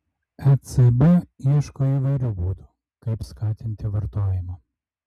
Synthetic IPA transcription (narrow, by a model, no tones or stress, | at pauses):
ɛsɛbʊiɛʃkoːiːʋɐɪɾʲuːbuːd̪u | kɐɪpskɑːt̪ʲɪnʲt̪ʲɪʋɐɾt̪oːjɪmɐ